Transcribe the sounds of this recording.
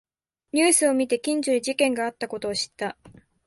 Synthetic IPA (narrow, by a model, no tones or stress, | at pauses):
ɲ̟ɨːsɨo̞mʲit̪e̞kʲĩɲ̟d͡ʑɨɾʲid͡ʑikẽ̞ŋɡaːt̪ːako̞t̪o̞ːɕi̥t̪ːa